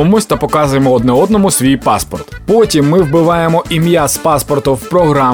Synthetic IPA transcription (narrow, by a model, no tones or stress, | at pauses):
ɔmusʲt̪ɐpɔkɑzʊjemɔɔd̪nɛɔd̪nɔmʊsʲʋʲijpɑspɔrt̪pɔtʲimːɪwbɪʋɑjemɔʔimʲjaspɑspɔrt̪ʊwpɾɔɦɾɑ